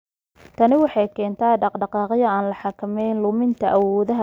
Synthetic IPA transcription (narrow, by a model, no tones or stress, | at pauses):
t̪ʰɐnɪwɑħɑjkʰɛːnt̪ʰaːɖɑqɖɑqɑːqjɐaːnlɐħɑkʰɐmɛjnlʊmɪnt̪ʰɐʔɐwɔːðɐɦɐ